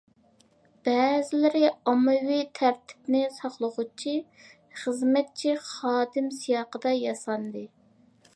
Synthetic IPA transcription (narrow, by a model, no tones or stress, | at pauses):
b̥ɛːzɪlɪɾɪɑmɨwit̪ʰæɾt̪ʰɪ̥pnɪsɑχlˠʊʁʊt͡ʃʰi | χəzmɛt̪̚t͡ʃʰiχɑːd̪ɪmsijɑːqəd̪ɑjɑsɑnd̪ɨ